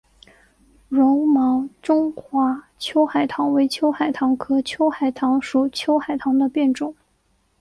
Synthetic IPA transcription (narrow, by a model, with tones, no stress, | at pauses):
ɻʊ˧˥ŋmɑ˧˥ŋʈ͡ʂʊ˥ŋxwa˧˥ | t͡ɕʰjo˥ʊxa˨˩ɪt̪ʰɑ˧˥ŋwe˧˥ɪt͡ɕʰjo˥ʊxa˨˩ɪt̪ʰɑ˧˥ŋkʰɤ˧˥t͡ɕʰjo˥ʊxa˨˩ɪt̪ʰɑ˧˥ŋʂu˨˩t͡ɕʰjo˥ʊxa˨˩ɪt̪ʰɑ˧˥ŋd̪ə˧pjɛ˥˧nʈ͡ʂʊ˨˩˦ŋ